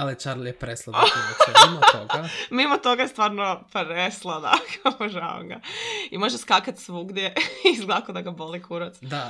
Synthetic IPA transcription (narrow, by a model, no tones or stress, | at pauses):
alit͡ʃaɾljepɾeslˠa | moɡamimot̪o̞ɡaest̪ʋaːɾnopɾeslˠad̪a̰kʰapoʒao̰ŋɡa̰imoʒeskakat̪sʋuɡd̪jeizɡlˠakod̪aɡabolikʰuɾot̪d̪a